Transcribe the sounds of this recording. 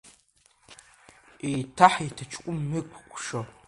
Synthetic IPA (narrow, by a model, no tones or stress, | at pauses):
itʰaħitʰat͡ʃʰkʷʼʊmːɨkʷʰkʷʰʼʂo